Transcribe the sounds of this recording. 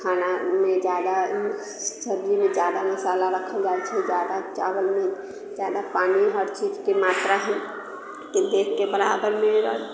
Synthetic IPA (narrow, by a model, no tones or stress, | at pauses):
kʰaːnamẽd͡ʒjaːd̪a | səɾd͡ʒimẽd͡ʒjaːd̪aməsaːlaɾəkʰed͡ʒaːet͡ʃʰɛd͡ʒjaːd̪at͡ʃa̰ːʋəlmẽ | d͡ʒjaːd̪apaːniɔːɾt͡ʃiːd͡ʒkemaːt̪ɾaɦɛ̃ | t̪od̪eːkʰkebəɾa̰ːbəɾmẽɔɾ